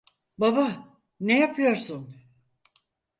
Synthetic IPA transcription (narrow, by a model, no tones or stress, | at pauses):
baba | nejapʰɯjo̞ɾsun